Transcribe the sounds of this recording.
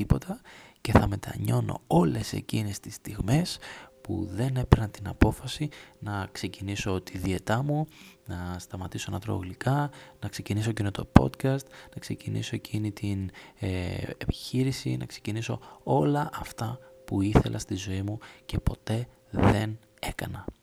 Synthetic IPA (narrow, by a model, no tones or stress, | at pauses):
ipo̞t̪ɐce̞θɐme̞t̪ɐ̰ɲo̞no̞̰o̞le̞se̞̰cinest̪ist̪iɣme̞spṵðe̞ne̞peɾɐnt̪inɐpo̞fɐsinɐkse̞ciniso̞t̪iðie̞t̪ɐmunɐst̪ɐmɐt̪isoenɐt̪ɾo̞̰ɣlikɐnɐkse̞cinisoecinot̪o̞po̞̰t̪kɐst̪nɐkse̞cinḭso̞ecʰinit̪in | epi̥çiɾisinɐkse̞ciniso̞o̞lɐʔɐft̪ɐpuiθe̞lʔɐ̰st̪izo̞imuce̞po̞t̪e̞ | ðe̞n | e̞kɐnɐ